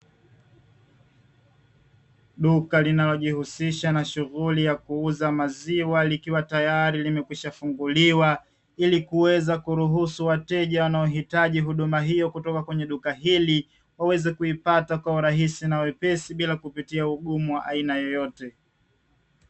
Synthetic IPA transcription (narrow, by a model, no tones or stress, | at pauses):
ɗukalinalɔʄihusiʃanaʃuɣulijakuuzamaziwalikiwatajaɾilimɛkwiʃafuŋɡuliwa | ilikuwɛzakuɾuɦusuwatɛʄawanaɔɦitaʄiɦuɗumaɦijɔkutɔkakwɛɲɛɗukaɦili | wawɛzɛkuipatakwauɾaɦisinawɛpɛsiɓilakupitiauɠumuwaʔainajɔjɔtɛ